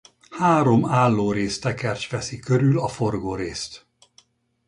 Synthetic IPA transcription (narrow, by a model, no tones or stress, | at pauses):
haːɾo̞maːlːoːɾeːst̪ɛkɛrt͡ʃʋɛsikøɾylɒforɡoːɾeːst̪